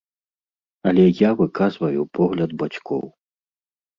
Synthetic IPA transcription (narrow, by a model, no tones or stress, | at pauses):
ɐlʲɛjavɨkazvɐjupɔɣlʲɐd̪̚bat͡sʲkʰɔ̰w